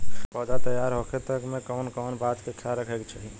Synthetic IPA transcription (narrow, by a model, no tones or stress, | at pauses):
pəd̪at̪əjːaɾɦokʰet̪əkmekənkənbat̪kekt͡ʃʰaɾəkʰɛkt͡ʃʰəɦi